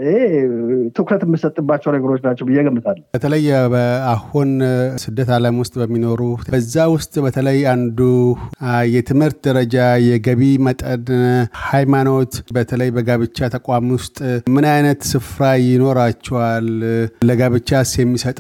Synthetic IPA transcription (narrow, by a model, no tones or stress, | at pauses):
et̪ʰɨkɾət̪əmːɨsət̪ʼːɨbːat͡ʃːɛwnəɡəɾo̞t͡ʃːnat͡ʃːɛwbɨjːɛɡəmːɨt̪ʰalːbət̪ʰələjbəahunsɨd̪ːət̪ʰaləmwʊst̪ʼbəmːino̞ɾubəzːawʊst̪ʼbət̪ʰələjand̪u | jɛt̪ʰɨmhɨɾt̪̚d̪əɾəd͡ʒajɛɡəβimət̪ʼənhajmano̞t̪bət̪ʰələjbəɡaβɨt͡ʃːat̪ʰəkʼwamwʊst̪ʼmɨnajnət̪sɨfɾajɪno̞ɾat͡ʃːɛwalləɡaβɨt͡ʃːasjɛmːisət̪ʼ